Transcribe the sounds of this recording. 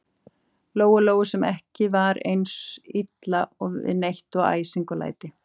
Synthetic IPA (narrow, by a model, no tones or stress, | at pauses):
loːwɣʏloːwɣʏsɛmɛhcɪvaɾḛjnsit̪laɔɪ̰ðnejht̪ɔɣa̰ːjsiŋkʏla̰ːjt̪ɪ